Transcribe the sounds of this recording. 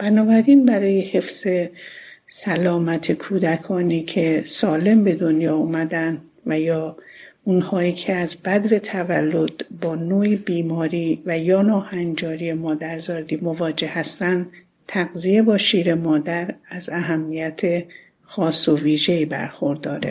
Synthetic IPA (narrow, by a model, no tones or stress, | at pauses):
b̥ænɒːbæɾinbæɾɒːje̞he̞fz̥e | sælɒːmæt̪ʰekʰuːd̪ækʰɒːniːcʰe̞sɒːle̞mbe̞d̪o̞njɒːumæd̪ænd̪ | væjɒː | unhɒːiːcʰeæzbæd̪ve̞t̪ʰævælːo̞d̪̥bɒːnoːibiːmɒːɾiːvæjɒːnɒːhænd͡ʒɒːɾijemɒːd̪æɾzɒːɾd̪iːmovɒːd͡ʒe̞hæst̪ænd̪ | t̪ʰæɣzije̞bɒːʃiːɾe̞mɒːd̪æɾæzæɦæmːijæt̪ʰe̞ | xɒːsːoviːʒe̞iːbæ̰ɾxo̞ɾd̪ɒːɾḛ